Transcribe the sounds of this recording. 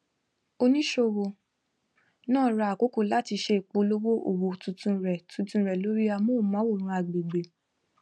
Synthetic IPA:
o˧nĩ˦ʃo˧wo˧ | nãː˦˨ɾa˧˨a˨ko˨˦ko˦˨la˦ti˧ʃe˦˨k͡po˧lo˦wo˦ʔo̰˨wo˨tũ˧tũ˧˦ɾɛ˨tũ˨˧˦tũ˧ɾɛ˨lo˦ɾi˦a˧mo˦˨mã˨˦wo˦˨ɾ̃ũ˧˦a˨ɡ͡be˨ɡ͡be˨

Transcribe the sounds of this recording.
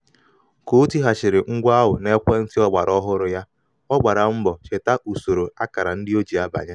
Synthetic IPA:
ko˦u˦ti˦ɦa˨t͡ʃɪ˨ɾɪ˨ŋ̩˦ɡʷa˦ɦʊ˨ne˦kʷe˦n̩˦tɪ˦ɔ˦ɡ͡ba˨ɾʔɔ˦ɦʊ˦ɾʊ˦ja˦ | ɔ˦ɡ͡ba˨ɾa˨m̩˦bɔ˨t͡ʃe˨ta˦ʔu˨so˨ɾo˨a˦ka˨ɾa˨n̩˦dɪ˦o˦d͡ʒi˨a˦ba̰˨ɲe˦

